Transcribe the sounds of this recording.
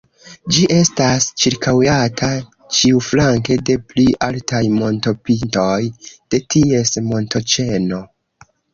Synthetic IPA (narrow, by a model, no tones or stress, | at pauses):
d͡ʒiʔe̞stast͡ʃiɾkawjatʰa | t͡ʃiuflaŋke̞de̞pliʔaltajmo̞nto̞pinto̞jd̥e̞tʰie̞smo̞nto̞t͡ʃe̞no̞